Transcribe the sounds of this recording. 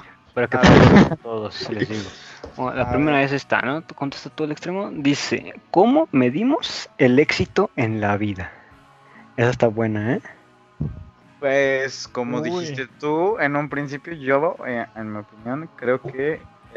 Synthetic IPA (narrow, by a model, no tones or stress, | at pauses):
paɾakeeeoat̪oðosi̥selzðiɣoolapɾime̞ɾaβe̞s̬e̞st̪a̰no̞t̪kont̪e̞st̪at̪oelekst̪ɾe̞mo̞d̪ise̞̰ko̞mo̞me̞ðimo̞se̞le̞ksit̪o̞ʔe̞nlaβiða | esaest̪aβwe̞nae | pwesko̞moðiist̪et̪uenũmpɾinsipjoʝoeenmiopinjõ̞ŋkɾe̞oke